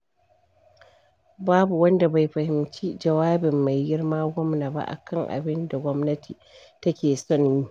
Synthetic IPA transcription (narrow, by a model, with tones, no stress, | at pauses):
baː˦bu˨wɐ˦nda˨ba˨jɸɐ˨hɪ˨mt͡ʃiː˦d͡ʒɐ˨waː˦bɪ˨mːa˨jɡɪ˦ɽmaː˦ɡʷɔ˦mnaː˨ba̰˦ʔa̰˨kʰɐ˦˨ŋʔa̰˨bɪ˦nda˨ɡʷɔ˦mnɐ˦tʰiː˨ | tɐ˦kʲeː˨sɔ˦˨njiː˦